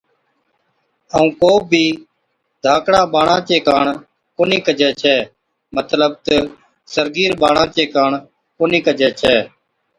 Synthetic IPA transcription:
əũːkoːbʱiː | d̪ʱaːkɽãːɓaːɳãːt͡ʃeːkaːɳ | koːniːkəd͡ʒɛːt͡ʃʰɛː | mət̪ləb̚t̪ə | səɾɡiːɾɓaːɽãːt͡ʃeːkaːɳ | koːniːkəd͡ʒɛːt͡ʃʰɛː

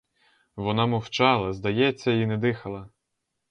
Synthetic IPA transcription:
ʋɔnɑmɔwt͡ʃɑlˠɐzd̪ɐjɛt͡sʲːɐinɛd̪ɪxɐlˠɐ

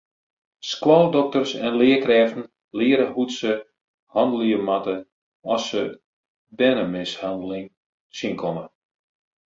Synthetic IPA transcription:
skwɔlˠdɔk̚tərsɛnlɪːkrɛːfn̩ | lɪːɾəhutsə | hɑndəl̩ˠiəmatə | ɔsə | dɛnəmɪshandəlɪŋ | sinkʰɔmə

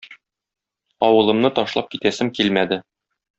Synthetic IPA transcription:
ɒwɤ̆lˠɤ̆mnɤt̪ɒʃlˠɑp̚kit̪æsɘmkilmæd̪ɘ

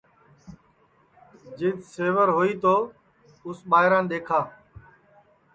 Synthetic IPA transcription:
d͡ʒɪd̪seːʋəɾɦoːiːt̪oː | ʊsɓaːɦɪɾãːnɗ̪eːkʰaː

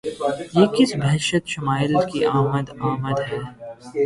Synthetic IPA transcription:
jeːkɪsbɛɦʃət̪ʃɐmaːjɪlkiʔaːməd̪aːməd̪ɦɛː

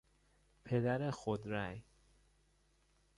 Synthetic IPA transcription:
pʰed̪æɾexod̪ɾæj

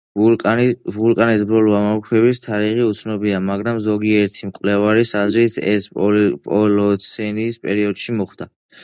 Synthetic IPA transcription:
vulkʼanisbɾɔlamamkʰwɛbist̪ʰaɾiʁiut̪sʰnɔbiamaɡɾamzɔɡiɛɾt̪ʰimkʼvlɛvaɾisazɾit̪ʰɛspʼɔlɔt̪sʰɛniːspʼɛɾiɔd̪̥ʃimɔχd̪̥a

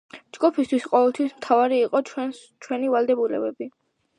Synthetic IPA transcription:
d͡ʒɡupʰist̪ʰwisqʼɔvɛlˠt̪ʰwismt̪ʰavaɾiːqʼɔ | t͡ʃʰwɛnivalˠd̪ɛbulɛ̰bɛbi

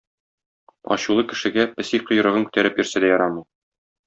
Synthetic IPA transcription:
ɒ̰ɕulˠɤkɘ̆ʃɘ̆ɡæpɘ̆siqŏjɤ̆ɾɤ̆ʁɤŋkʉ̥t̪æɾɘpjɵ̆ɾsæd̪æjɒɾɑmɤj

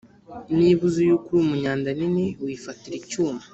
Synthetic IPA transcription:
niβuzujukuɾimuɲaːndaninewifatiɾicuːmḁ

